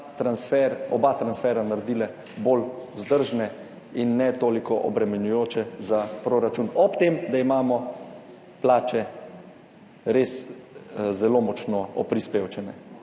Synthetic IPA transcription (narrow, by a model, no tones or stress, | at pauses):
t̪ɾansfɛɾɔbat̪ɾansfɛːɾanaɾd̪iːlɛ | bolwzd̪əɾʒnɛ | inːɛt̪oːlikɔʔɔbɾɛmɛnjujoːt͡ʃɛzapɾoɾat͡ʃunɔpt̪emd̪aimaːmɔ | plaːt͡ʃɛ | ɾes | zɛloːmɔt͡ʃnɔɔpɾispeːwt͡ʃɛnɛ